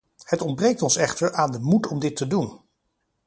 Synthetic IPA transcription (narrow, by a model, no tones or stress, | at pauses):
hətɔnd̚brejk̚tɔnsɛχtəɹʔaːndəmutɔmdɪtədun